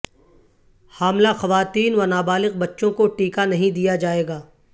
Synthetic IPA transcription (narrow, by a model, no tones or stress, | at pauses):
haːmlaxɐʋaːt̪iːnʋɐnaːbaːlɪq̚bɐtːʃõkoʈiːkanɐɦĩd̪ijad͡ʒaːeːɡaː